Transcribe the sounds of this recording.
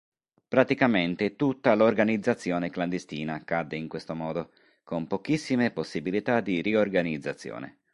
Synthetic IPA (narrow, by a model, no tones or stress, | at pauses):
pɾat̪ikament̪et̪ut̪ːalorɡanid̪zːat̪sːjɔːnekland̪est̪iːnaːkːad̪ːeiŋkwest̪omɔːd̪o | kompok̟isːimeposːibilit̪ad̪iriorɡanid̪zːat̪sːjɔ̰ːnḛ